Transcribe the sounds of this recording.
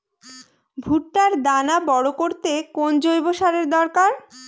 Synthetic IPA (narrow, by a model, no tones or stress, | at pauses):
bʱuʈːaɾd̪anabɔɽokoɾt̪ekond͡ʑojboʃaɾeɾd̪ɔɾkaɾ